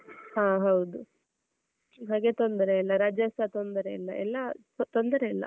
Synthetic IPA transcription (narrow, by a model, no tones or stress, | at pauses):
hãːɦɐwd̪u | ɦaːɡe̞t̪ond̪ɐɾeilːɐɾaːd͡ʒɐsat̪ond̪ɐɾeilːɐ̰ʔɛ̰lːɐ | t̪ond̪ɐɾeilːɐ̰